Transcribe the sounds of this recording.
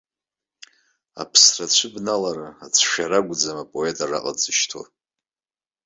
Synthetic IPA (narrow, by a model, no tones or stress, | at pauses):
a̰pʰsrat͡ɕʷʰɨbnalaɾaat͡sʷʰʃᶣaɾaɡʷd͡zamapʼoetʼara̰qʼad͡zʼɨʃtʰo̰